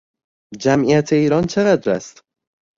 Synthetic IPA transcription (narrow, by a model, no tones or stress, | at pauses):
d͡ʒæmʔijæt̪ʰe̞iːɾɒːnt͡ʃʰe̞ɣæd̪ɾæ̰st̪